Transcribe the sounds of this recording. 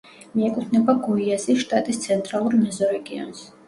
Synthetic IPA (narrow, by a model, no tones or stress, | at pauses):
miɛkʼut̪ʰnɛbaɡuiasiʃt̪ʼat̪ʼist̪sʰɛnt̪ʼɾalˠuɾmɛzɔɾɛɡiɔ̰ns